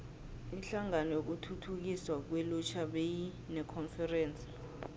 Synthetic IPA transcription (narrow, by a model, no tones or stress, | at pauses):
iɬaŋanɔjok̬utʰutʰuk̬iswak̬wɛlut͡ʃʰaɓeji | nɛkʰɔnfɛrɛːnsʼi̥